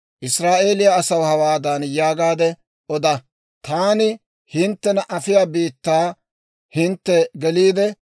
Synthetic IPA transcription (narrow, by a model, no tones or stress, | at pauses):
ʔɪsɾaːʔe̞ːlɪjaɐsɐwhɐwaːd̪aːnjaːɡaːd̪ɛ | ʔɔd̪ɐ | t̪aːnɪ | hɪnt̪ːɛnɐʔɐfɪjaːbiːt̪ːaː | hɪnt̪ːɛɡɛliːd̪ɛ